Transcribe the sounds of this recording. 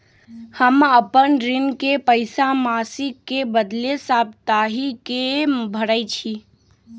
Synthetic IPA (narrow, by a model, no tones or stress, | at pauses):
həməpənɾɪnkepəɪsamasikːebəd̪lesab̚t̪aɦikebʱəɾət͡ʃʰi